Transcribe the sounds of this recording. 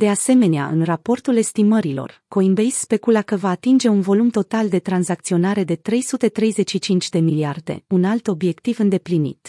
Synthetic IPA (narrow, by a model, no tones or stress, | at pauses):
d̪̥e̞ase̞me̞nea̰ʔɨ̰nrapo̞rt̪ule̞st̪iməɾilo̞̰rko̞imbejsspe̞kulakəvaːt̪ind͡ʒe̞unvo̞lumt̪o̞t̪ald̪e̞t̪ɾanzak̚t̪sio̞naɾe̞d̪e̞t̪ɾe̞jsut̪e̞t̪ɾe̞jze̞ʃit͡ʃint͡ʃʲd̪e̞miliard̪e̞̰unalt̪o̞bje̞kt̪ivɨnd̪e̞plinḭt̪